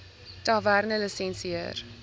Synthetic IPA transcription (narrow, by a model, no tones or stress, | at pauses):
tɑværnələsɛ̃nsiə̰r